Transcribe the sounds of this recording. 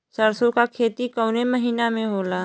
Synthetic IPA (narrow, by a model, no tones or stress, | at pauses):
səɾsõkakʰeːt̪ikəʊneməɦiːnamẽɦoːlaː